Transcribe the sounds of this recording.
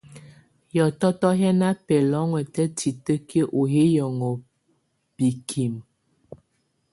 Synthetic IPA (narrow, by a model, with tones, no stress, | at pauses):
jɔ˨tɔ˦tɔ˦ɦɛ˦na˦pɛ˨lɔ˨˦ŋwɛ˨tɛ˦ti˨tə˦ke˦ʔo˨ɦe˦jɔ˨ŋɔ˨ | b̥i˨kʰi˨m